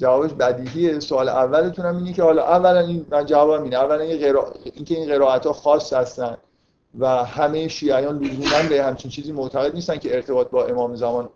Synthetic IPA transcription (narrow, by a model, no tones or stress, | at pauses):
d͡ʒævɒːbeʃbæd̪iːɦiːesoɒːleʔævːælet̪ʰunhæmiːnece̞hɒːlɒːʔævːælæninmænd͡ʒævɒːbæmiːneævːælæneɣeɾɒːiːncʰe̞iːnɢe̞ɾɒːæt̪ʰhɒːxɒːsːhæst̪ænd̪ | væhæme̞jeʃiːæjɒːnluzuːmænbehæmt͡ʃʰint͡ʃʰiːziːmoʔt̪ʰæɣe̞d̪̚nist̪ænkcʰe̞eɾt̪ʰe̞bɒːt̪̚bɒːʔe̞mɒːmezæmɒːn